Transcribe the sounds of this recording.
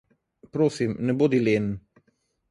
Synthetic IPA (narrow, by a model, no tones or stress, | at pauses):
pɾoːsimnɛbod̪ileːn